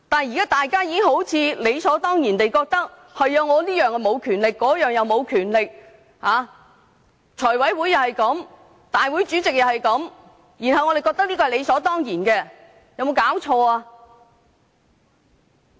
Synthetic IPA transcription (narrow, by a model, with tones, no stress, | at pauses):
t̪aː˨jiː˨kaː˥t̪aː˨jkaː˥jiː˧kɪ˥ŋho˨˥wt͡sʰiː˨˧le˨˧jsɔː˨˥t̪ɔː˥ŋjiː˨˩nt̪e˨jkɔː˧k̚t̪ɐ˥k̚ | hɐ˨jːɐ˨˧wŋɔː˨˧liː˥jœː˨˧ŋkɛ˧mo˨˧wkʰyː˨˩nlɪ˨kːɔː˨˥jœː˨ŋjɐ˨˧wmo˨˧wkʰyː˨˩nlɪ˨k̚ | haː˨˧ | t͡ʃʰɔː˨˩wɐ˨˥jwuː˨˥jɐ˨˩whɐ˨jkɐ˨˥m | t̪aː˨˩jwu˨˥jt͡ʃyː˨˥t͡sɪ˨k̚jɐ˨˩whɐ˨jkɐ˨˥m | jiː˨˩nɦɐ˨wŋɔ˨˧e˨jkɔː˧k̚t̪ɐ˥k̚liː˥kɔː˧hɐ˨˩le˨˧jsɔː˨˥t̪ɔː˥ŋjiː˨˩nkɛː˧ | jɐ˨˧wmo˨˧wkaː˨˥wt͡ʃʰɔː˧aː˧